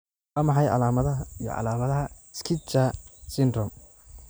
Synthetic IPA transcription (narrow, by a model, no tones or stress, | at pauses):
ɐmɑħɑjʕɑ̰laːmɐðɐɐijɔ̰ʕɑ̰laːmɐðɐɦɐskʰɪt͡ʃɐsɪndrɔm